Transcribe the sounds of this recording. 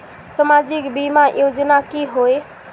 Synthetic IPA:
səmad͡ʒikbimajod͡ʒənakiɦoe

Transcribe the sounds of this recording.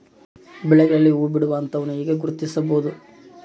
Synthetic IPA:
bɛɭɛɡɐɭɐlːiuʋubiɽɐʋaːnt̪ɐːʋɐnuiːɡeɡuɾut̪isɐboːd̪u

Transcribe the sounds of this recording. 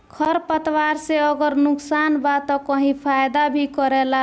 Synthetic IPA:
kʰəɾpət̪waɾseəɡəɾnʊksanbat̪ɔkəɦĩpʰajd̪abʱikəɾɛla

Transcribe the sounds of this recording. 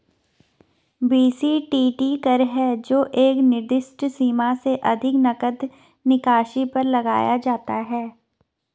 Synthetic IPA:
biːsiʈiːʈikɐɾɦɛd͡ʒoːʔeːknɪɾd̪ɪsʈsiːmaseʔɐd̪ʱɪknɐkəd̪ | nɪkaːʃipɐɾlɐɡa̰ːjad͡ʒaːt̪aɦɛː

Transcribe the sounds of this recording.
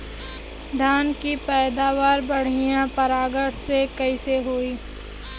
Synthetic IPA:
d̪ʱaːnkipɛːd̪aːʋaːɾbɐɽ̤ɪjãpɐɾaːɡəʈʰsekɐiseɦoːiː

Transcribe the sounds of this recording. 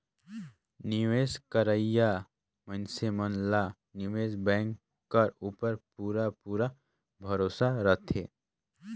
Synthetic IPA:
niʋeskəɾəja | mə̃nsemənla | niʋeːsbɛ̃ːŋkː | aɾupəɾpuːɾapuːɾa | bʱəɾoːsaɾət̪ʰe

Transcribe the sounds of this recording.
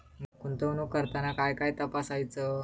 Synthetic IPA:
mkuɳt̪onukəɾt̪anakajkajt̪əpasajt͡sə

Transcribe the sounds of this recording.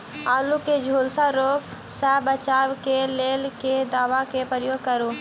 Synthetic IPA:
aːluked͡ʒʱoːlsaɾoːɡ | sɛbət͡ʃaːwkeleːlked̪aːʋakepɾəjoːɡ̚kəɾoː

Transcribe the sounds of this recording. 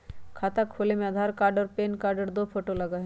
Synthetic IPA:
kʰat̪akʰolemad̪ʱaɾkaɾɖəɾpenkaɾɖəɾd̪ofoʈolaɡaɦ

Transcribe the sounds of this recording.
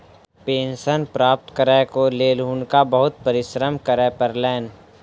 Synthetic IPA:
pẽːnsənpɾaːp̚t̪kəɾɛkoleːlɦunkabəɦʊt̪̚pəɾɪʃɾəmkəɾɛpəɾlɛːn

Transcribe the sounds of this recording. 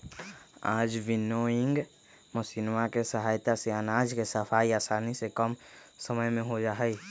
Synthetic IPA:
aːd͡ʒʋɪnoɪ̃ŋɡ | mʊsiːnmakesəɦaːjt̪aseanaːd͡ʒkesəfʰaːiaːsaːnisekəmsəməjmẽɦod͡ʒaːɦɛi

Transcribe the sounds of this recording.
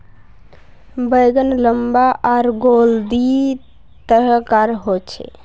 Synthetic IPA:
bəjɡənləmbaʔaɾɡold̪i | t̪əɾəkaɾɦot͡ʃʰɛ̰

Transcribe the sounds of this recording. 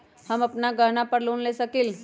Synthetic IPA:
hɐmɐpnaɡʱəɦnapəɾloːnlesəkil

